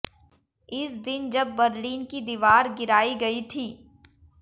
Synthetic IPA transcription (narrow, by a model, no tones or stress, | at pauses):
ɪsd̪ɪnd͡ʒɐbːɐɾliːnkid̪iːʋaːɾɡɪɾaːiɡɐit̪ʰiː